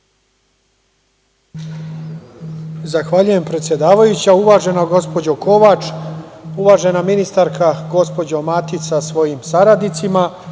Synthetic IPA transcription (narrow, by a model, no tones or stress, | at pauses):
zaxʋaʎuje̞mpɾe̞t̪sje̞d̪aːʋajut͡ɕauʋaːʒe̞noɡo̞spo̞d͡ʑo̞ko̞ʋat͡ʃ | uʋaːʒe̞naminist̪aɾkʰaɡo̞spo̞d͡ʑomat̪it̪sasʋo̞jimsaɾad̪nit̪sima